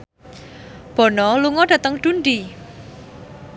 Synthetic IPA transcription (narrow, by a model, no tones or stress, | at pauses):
b̥ɔ̤nɔluŋɔɖ̥ä̤t̪əŋɖ̪̥unɖi